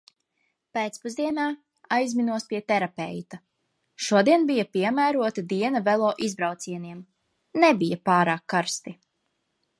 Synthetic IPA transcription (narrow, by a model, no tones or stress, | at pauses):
peːt̪spuzd̪iɛnaː | ajzminuɔspiɛt̪ɛɾapɛ̰jt̪a | ʃuɔd̪iɛnbijapiɛmæːɾuɔt̪ad̪iɛnɐvɛlˠɔːʔizbɾawt̪siɛniɛm | nebijapaːɾaːkːaɾst̪i